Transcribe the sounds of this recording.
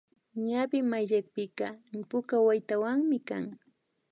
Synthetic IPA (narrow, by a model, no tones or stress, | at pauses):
ɲabɪmajʎak̚pɪkapʊkawajt̪awaŋmɪkaŋ